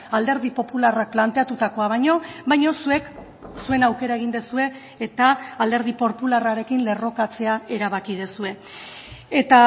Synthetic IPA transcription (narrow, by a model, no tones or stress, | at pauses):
ald̪e̞ɾð̞ipo̞pularak̚plant̪e̞at̪ut̪ako̞aβ̞ajɲo̞bajɲo̞sue̞k | sue̞nawke̞ɾae̞ɣ̞ind̪e̞sue̞ː | t̪aːld̪e̞ɾð̞ipo̞ɾpularaɾe̞kinle̞ro̞kat͡se̞ae̞ɾaβ̞akið̞esue̞ | et̪a